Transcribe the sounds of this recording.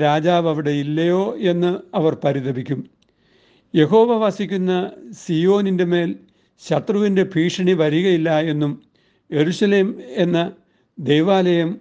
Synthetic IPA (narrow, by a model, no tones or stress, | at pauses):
ɾaːd͡ʑaːʋɐʋiɽe̞ilːɐjo̞ːe̞nːɨɐʋɐrpɐɾiðɐbikʲːum | je̞ɦo̞ːʋɐʋasikʲːunːɐsijo̞ːninde̞me̞ːl | ɕɐt̪rɐʋinde̞pʰiːʂɐɳiʋɐɾiɣɐjilːɐe̞nːum | je̞ɾuɕɐle̞ːme̞nːɐ | d̪e̞jʋaːlɐjɐm